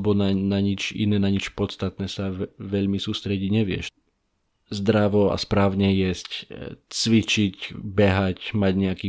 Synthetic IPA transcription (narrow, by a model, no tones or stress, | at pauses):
bɔnanaɲit͡ʃḭnɛːnaɲit͡ʃpɔt̪t͡st̪at̪nɛːsaʋɛʎmisuːst̪ɾɛɟiɟɲɛʋɪɛ̰ʃ | zd̪ɾaʋɔa̰spɾaːʊɲɛjɛsct͡sʋit͡ʃicbɛɦacmaɟɲɛakiː